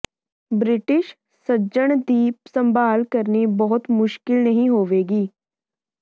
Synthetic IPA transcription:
bɾɪʈɪʃ | sɐd͡ʒəɽ̃d̪iːpsɐ̃mbaːlkɐɾnibɐɦʊt̪mʊʃkɪlnɐɦĩɦoːʋeːɡiː

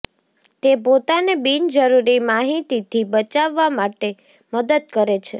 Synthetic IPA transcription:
t̪epot̪anebind͡ʒəɾuɾimaɦit̪it̪ʰibət͡ʃaʋːamaʈe | məd̪əd̪̚kəɾet͡ʃʰe

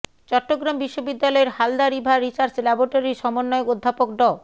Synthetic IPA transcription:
t͡ɕɔʈːoɡɾambiʃːobid̪ːalɔeɾhald̪aɾibʱaɾit͡ɕaɾd͡ʑlɛboɾʈoɾiʃɔmonːɔeokod̪ʱːapok̚ɖɔ

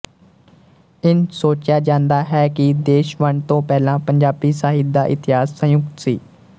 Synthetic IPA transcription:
ɪnsoːt͡ʃjaːd͡ʒãːnd̪aːɦɛːkɪd̪eːʃʋəɳt̪õːpɛːlãːpəɲd͡ʒaːbiːsaːɦɪt̪d̪aːʔɪt̪ɪɦaːsːə̃jʊkt̪siː

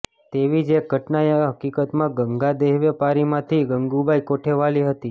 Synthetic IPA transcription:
t̪eʋid͡ʒeɡʱəʈnajəɦəkikət̪mãɡəŋɡad̪eɦʋjəpaɾimãt̪ʰiɡəŋɡubʱajkoʈʰeʋaliɦət̪i

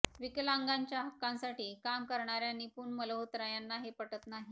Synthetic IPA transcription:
ʋikəlaŋɡaɲt͡ɕjaɦəkːãnsaʈiːkamkəɾɳaɾjaniːpuːɳmələɦot̪ɾəjanːaɦepəʈət̪naɦi

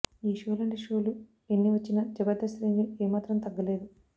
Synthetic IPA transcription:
iːʃoːlɐɳɖiʂo̞ːlu | enːiʋɐt͡ʃːinɐd͡ʒɐbɐɾd̪ɐsɾeːnɡieːmaːt̪ɾɐmt̪ɐɡːɐle̞ːd̪u

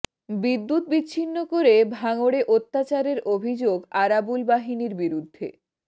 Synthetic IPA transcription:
bid̪ːut̪̚bitːɕʰinːokoɾebʱaŋoɽeʔot̪ːat͡ɕaɾeɾʔobʱid͡ʑoɡaɾabulbaɦiniɾbiɾud̪ʱːḛ

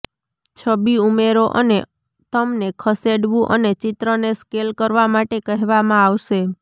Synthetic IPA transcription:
t͡ʃʰəbiumeɾoʔəne | t̪əmnekʰəseɽʋũʔə̰net͡ʃɪt̪ɾəneskelkəɾʋamaʈekəɦɛʋamãaʋʃe

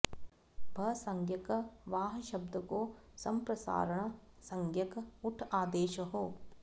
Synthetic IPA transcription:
bʱɐsɐŋɡjɐkɐʋaːɦɐʃɐb̚d̪ʱɐkoːsɐmpɾɐsa̰ːɾɐɳɐsɐŋɡjɐkɐuʈʰaːd̪eːʃɐɦoː

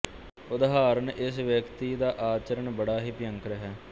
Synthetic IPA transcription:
ʊd̪ɦaːɾənɪsʋjəkt̪iːd̪aːʔaːt͡ʃəɾəɳbəɽaːɦiːpɪjə̃ŋkɾəɦɛː

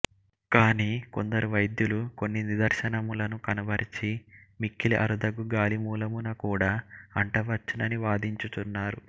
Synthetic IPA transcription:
kaːniːko̞̰nd̪ɐɾuʋɐjd̪juluko̞nːinid̪ɐɾʂɐnɐmulɐnukɐnɐbɐɾit͡ʃimikːiliʔɐ̰ɾud̪ɐɡuɡaːlimuːlɐmunɐkuːɽaːɐɳʈɐʋɐɾt͡ʃːinɐniʋaːd̪iɲt͡ʃut̪unːaːɾu

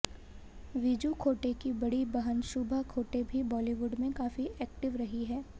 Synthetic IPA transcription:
ʋiːd͡ʒukʰoːʈekibɐɽibɐɦənʃʊbʱəkʰoːʈebʱibɔːliʋʊɖmẽkaːfiʔɛːk̚ʈɪʋɾɐɦiɦɛː

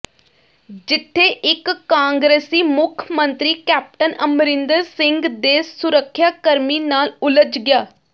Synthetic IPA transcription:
d͡ʒɪt̪ʰːeːʔɪkːãːŋɡɾeːsiːmʊkʰəmənt̪ɾiːkɛːp̚ʈənəmɾɪ̃nd̪əɾsɪ̃ŋɡd̪eːsʊɾəkʰːjaːkəɾmiːnaːlʊləd͡ʒɡɪjaː

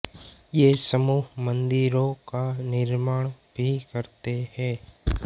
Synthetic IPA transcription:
jeːsəmuːɦmɐ̃nd̪ɪɾõkanɪɾmaːɽ̃ | bʱikɐɾt̪ehɛ̃ː

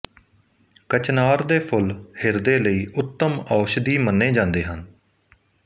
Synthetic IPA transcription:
kət͡ʃnaːɾd̪eːpʰʊlhɪɾd̪eːləiːʔʊt̪ːəmɔːʃd̪iːmənːeːd͡ʒãːnd̪eːɦən

